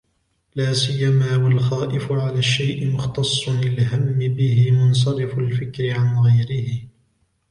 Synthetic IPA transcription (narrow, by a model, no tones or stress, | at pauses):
laːsɪjːamaːwalxaːʔɪfʊʕalaːʃːajʔɪmʊxt̪ɑsˤːʊlɪlɦamːɪbɪhɪmʊns̬ɑɾɪfʊlfɪkɾɪʕanɣajɾɪhɪ